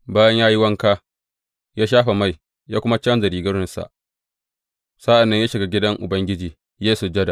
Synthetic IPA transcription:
baː˦jɐ˦ɲjaː˦ji˦wɐ˦ŋkaː˦ | jaː˦ʃ̬aː˦ɸa˨ma˦˨j | jaː˦kʷʊ˦ma˦t͡ʃɐ˦nzɐ˨ɾiː˨ɡɐ˦ɽɪ˦nsa̰˨ʔ | sa˦ʔa˨nːɐ˦ɲjaː˦ʃɪ˨ɡa˦ɡʲɪ˦dɐ˦ŋʔʊ˨bɐ˦ŋɡʲɪ˦d͡ʒiː˨ | jeː˦su˨d͡ʒɐ˦da˨

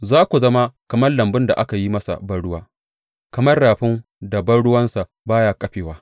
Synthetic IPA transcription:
zaː˦kʷu˨zɐ˦ma˦kɐ˨mɐ˦rlɐ˨mbɪ˦nda̰˨ʔa˦ka˨ji˦mɐ˦sa̰˨bɐ˦ɽʊ˦waː˦ | kɐ˨mɐ˦rɽaː˨ɸɪ˦n | da˨bɐ˦ɽʊ˦wɐ˦nsa˨ | baː˦jaː˦˨kʼɐ˦ɸeː˨waː˦

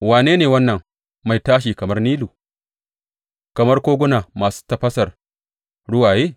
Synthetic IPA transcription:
waː˨neː˦neː˨wɐ˦nːɐ˨ŋ | ma˨jtaː˦ʃ̬iː˨kɐ˨mɐ˦rniː˦luː˨ | kɐ˨mɐ˦rkʷoː˦ɡʷʊ˦naː˨maː˨su̥ː˦tɐ˨ɸɐ˦sɐ˨r | ɽʊ˦waː˨jeː˦

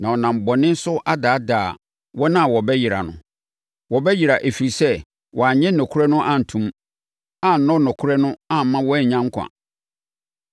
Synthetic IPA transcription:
nã˨ɔ˨nã˨m̩˨bɔ˨nɪ̃˦n̩˦sʊ˦a˦daː˨˦daː˨ | wɔ˦nã˦˨wɔ˨bɛ˦ji˨ɾa̰˨nʊ̰̃˨ | wɔ˨bɛ˦ji˨ɾa˨ʔe˨fi˨ɾi˨sɛ˦ | wʔɔ˨a˨ɲɛ̃˦nɔ̃˨kʰu˦ɾɛ˦nʊ̃˦ʔã˦n̩˨tʰũ˦m | a˦n̩˨nɔ̃˦nɔ̃˨kʰʊ˦ɾɛ˦nʊ̃˦a˦m̩˨mã˦wɔ˦ɛ˦ɲ˨ɲã˦ŋ˦kʷʰã̰˨

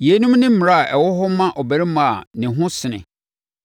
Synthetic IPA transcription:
je˨˦nũ˦mnɪ̃˦m̩˦m˨ɾa˦a˨ʔɛ˨wɔ˦ɦɔ˦mã˦ʔɔ˨bæ˨ɾi˦mã˦˨a̰˨nɪ̃˨ɦʊ̃˦sɪ˨nɪ̰̃˨

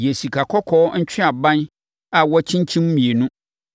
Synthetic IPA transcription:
je˨si˨kʰa˨kʰɔ˦kʰɔː˨˦n̩˦t͡ɕᶣʰɪ̃˦a˨bã˦n | a˨wɔ˦t͡ɕʰĩ˦ɲ˦t͡ɕʰĩ˦m˦mĩ˨e˨nʊ̃˦

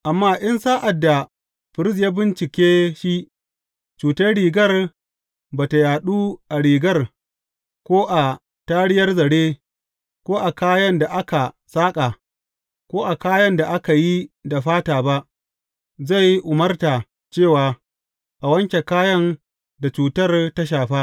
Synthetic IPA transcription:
ʔa˨mːaː˦˨ʔɪ˦nsaː˦ʔa˨dːa˨ | ɸɪ˨ɾɪ˦s̬jaː˦bɪ˦nt͡ʃɪ˨kʲeː˦ʃi˦ | t͡ʃuː˨tɐ˦ɽiː˨ɡɐ˦r | baː˨ta˨jaː˨ɗuː˦ʔa˨ɽiː˨ɡɐ˦r | kʷoː˦ʔa˨ | taː˦ɽɪ˦jɐ˦rzɐ˨ɽeː˦ | kʷoː˦ʔa˨kaː˦jɐ˦nda˨ʔa˦ka˨ | saː˦kʼa˨ | kʷoː˦ʔa˨kaː˦jɐ˦nda˨ʔa˦ka˨ji˦da˨ɸaː˦taː˨ba˦ʔ | za˦˨ji˦ʔʊ˨mɐ˦rta˨ | t͡ʃeː˦˨waː˨ | ʔa˨wɐ˦ŋkʲe˨kaː˦jɐ˦n | da˨t͡ʃuː˨tɐ˦˨rta˦ʃ̬aː˨ɸaː˦

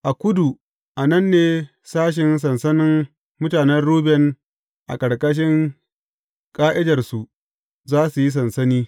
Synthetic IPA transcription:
ʔa˨kʷʊ˦du˨ | ʔa˨nɐ˦nːeː˨ | saː˦ʃ̬ɪ˨ns̬ɐ˨nsɐ˦nɪ˦m | mʊ˦taː˨nɛ˦nɽuː˦bɛ˦n | ʔa̰˨kʼɐ˨ɽkʼɐ˦ʃ̬ɪ˦ŋ | kʼaː˦ʔɪ˦dɐ˨rsu˨ʔ | zaː˦su˨ji˦s̬ɐ˨nsɐ˦niː˦

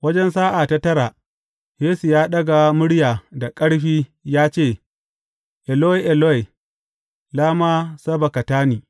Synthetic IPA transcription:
wɐ˦d͡ʒɛ˦nsaː˦ʔa˨ta˦tɐ˦ɾaː˨ | jeː˦su˨jaː˦ɗɐ˦ɡa˨mʊ˦ɽjaː˨da˨kʼɐ˦ɽɸiː˦jaː˦t͡ʃeː˦˨ | ʔɛ˨lo˦e˨ʔɛ˨lo˦e˨ | laː˦maː˦sɐ˦ba˨kɐ˨taː˦niː˨

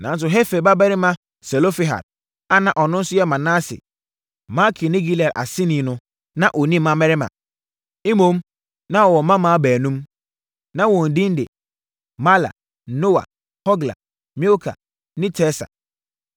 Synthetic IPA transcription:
nã˨˦n˦s̬ʊ˨ɦe˦fe˨ba˦bɛ˦ɾɪ˦mã˦ | sɛ˨lo˦fi˦ɦa̰˨d̥̚ | a˦nã˨ʔɔ˨nʊ̃˦n̩˦sʊ˦jɛ˦mã˨nã˦sɪ̰˨ | mã˦kʰi˨nɪ̃˦ɡi˦lɛ˨ʔa̰˨sɪ̃˦nĩ˨nʊ̃˦ | nã˦ʔo˨nĩ˦mã˦mɛ˦ɾɪ˦mã̰˨ | i˦mõ˨˦m | nã˦wɔ˨wɔ˨mã˦mãː˦bæː˨nũ˦m | nã˦wɔ̃˨n̩˨dĩ˦n˦dɪ̰˨ | ma˦la̰˨˦ | no˦wa̰˨ | hɔ˦ɡla̰˨ | mi˦o˦kʰa̰˨ | nɪ̃˦tʰɛ˦sa̰˨

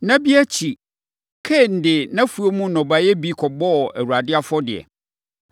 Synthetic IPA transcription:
nã˦bi˦æ˦t͡ɕʰi˨ | kʰɛ˦˨n̩˦dɪ˨nã˦fu˨o˦mũ˦nɔ̃˨ba˨jɛ˦bi˦kʰɔ˨bɔ˦˨æ˨wu˨ɾa˨dɪ˦a˦fɔ˦dɪ˨ɛ̰˨

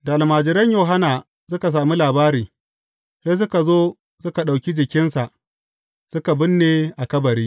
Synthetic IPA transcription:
da˨ʔa˨lmaː˨d͡ʒɪ˦ɾɐ˦ɲjoː˨ɦa˦naː˨ | sʊ˦ka˨s̬aː˨mi˦laː˨baː˦ɾiː˨ | seː˦s̬ʊ˦ka˨zoː˦ | sʊ˦ka˨ɗa˨wkʲi˦d͡ʒɪ˨kʲɪ˦nsa˨ʔ | sʊ˦ka˨bɪ˦nːeː˨ʔa˨kɐ˦bɐ˨ɾiː˦

